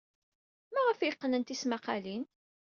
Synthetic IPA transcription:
mæʁəfjəqːnənt̪ismæqɑlin

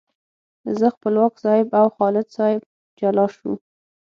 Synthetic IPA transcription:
zəxpəlwɑkzɑɪbawxɑlɪd̪sɑjɪb̚ | d͡ʒalɑʃṵ

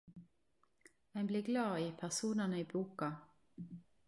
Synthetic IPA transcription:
æɪbliːɡlɑːiːpʰæʁsuːnɑnəiːbuːkɑ

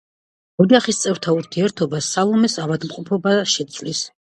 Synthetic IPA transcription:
ɔd͡ʒaχist̪sʼɛɾt̪ʰauɾt̪ʰiɛɾt̪ʰɔbasːalˠɔmɛsavad̪mqʼɔpʰɔbaʃɛt̪sʰvlis

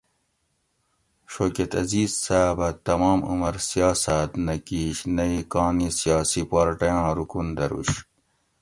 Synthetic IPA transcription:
ɕoːket̪ɐ̰ziːzsaːbɐt̪ɐmɑːmṵmɐɾsijɑːsat̪nɐkiːɕnɐikɑːnisijɑːsipaːɾʈɐjɑ̃ːɾukund̪ɐɾṵɕ

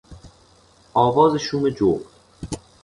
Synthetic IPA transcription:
ʔɒːvɒːzeʃuːmed͡ʒoʁ

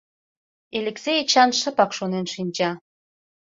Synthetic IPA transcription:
elʲekset͡ɕɑnʃə̆pɑkʃonenʃinʲd͡ʑɑ

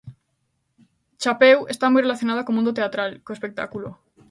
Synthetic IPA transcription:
t͡ʃapewe̞st̪amujrelaθjo̞naðakomũnd̪ot̪e̞at̪ɾalkoespe̞k̚t̪a̰kulo

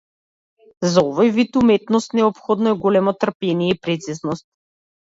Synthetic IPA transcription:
zaɔvɔjvit̪umɛt̪nɔst̪nɛɔpxɔd̪nɔɛɡɔlɛmɔt̪r̩pɛniɛipɾɛt̪siznɔst̪̚

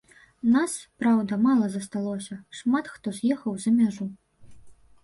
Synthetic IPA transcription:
naspɾawd̪ɐmalˠɐzɐst̪alˠɔsʲɐʂmat̪xt̪ɔzʲjɛxɐwzɐmʲaʐu

